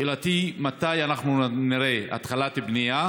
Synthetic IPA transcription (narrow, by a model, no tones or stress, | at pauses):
elat̪imat̪ajanaχnuniɾea̰t̪χalat̪ibnija